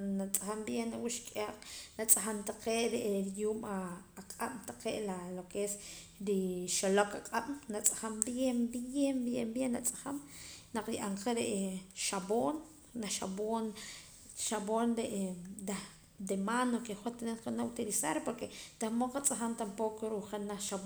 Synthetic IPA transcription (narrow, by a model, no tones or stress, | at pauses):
nat͡sʼaxambjenawuʃkʼaqnat͡sʼaxamt̪aqeːʔɾeʔɾjuːmaːqʼaɓ̥t̪aqeʔlalokes | ɾiʃolokaqʼaɓ̥nat͡sʼḁxambjembembjembjenːat͡sʼḁxamnaq͡χjʔaɴqaɾeʔʃaboːnː | aʃa̰boːn | ʃaboːndeʔd̪a | d̪emanokeχot̪neqanaut̪ilisaɾpoɾket̪ahmoqat͡sʼaxamt̪ampokoɾuχenaχʃab